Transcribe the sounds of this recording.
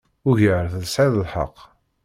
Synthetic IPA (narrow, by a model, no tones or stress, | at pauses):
ʊʝəɾθðəsʕɪðˤəlħə̰qː